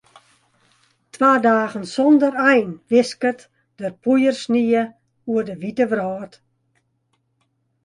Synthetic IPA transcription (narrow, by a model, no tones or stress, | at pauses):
tʰʋaːdaːɣənsɔndərɛjnʋɪskət | d̥ərpujərsniə | uərdəʋitəʋrɔːt